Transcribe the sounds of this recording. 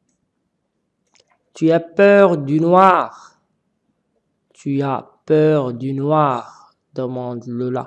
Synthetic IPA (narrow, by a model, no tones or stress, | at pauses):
t̪yapœʁd̪ynwaːʁ | t̪ʰyapœʁd̪ynwaːʁ | d̪əmɑ̃d̪ləla̰